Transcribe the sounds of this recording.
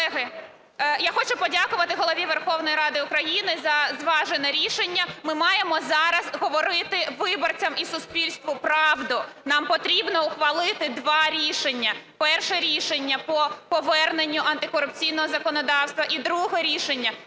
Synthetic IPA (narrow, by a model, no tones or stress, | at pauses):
ɛɦɪ | jaxɔt͡ʃʊpɔdʲakʊʋɐt̪ɪɦɔlˠɔʋʲiʋerxɔwnɔjɾɑd̪ɪʊkɾɐjinɪzɐzʋɑʒenɛɾʲiʃenʲːɐmɪmɑjemɔzɑɾɐzɦɔʋɔɾɪt̪ɪʋɪbɔrt͡sʲɐmisʊspʲilʲst̪ʋʊpɾɑʋd̪ʊnɑmpɔt̪ɾʲibnɔʊxʋɐlˠɪt̪ɪd̪ʋɑɾʲiʃenʲːɐpɛrʃɛɾʲiʃenʲːɐpɔpɔʋɛrnenʲːʊʔɐnt̪ɪkɔɾʊp̚t͡sʲijnɔɦɔzɐkɔnɔd̪ɑwst̪ʋɐʔid̪ɾuɦɛɾʲiʃenʲːɐ